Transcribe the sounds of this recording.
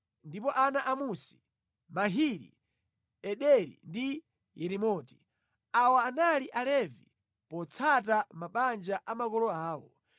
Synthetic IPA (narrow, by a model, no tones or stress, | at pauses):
ndipɔʔanaʔamusi̥ | maɦiɾḭ | ɛɗɛɾḭndi | jɛɾimɔːti̥ | awaːnaliʔalɛvḭ | pɔt͡sʰatamaɓand͡ʒaʔamakɔlɔaːwɔ